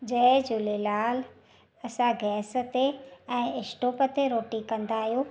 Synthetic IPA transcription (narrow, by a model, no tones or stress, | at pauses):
d͡ʑɐ̃ɪ̃d͡ʑʊlelaːl | ɐsãɡɛːsə̆t̪eɛ̃ːɪsʈoːpət̪eɾoːʈikɐ̃nd̪aːɦjoː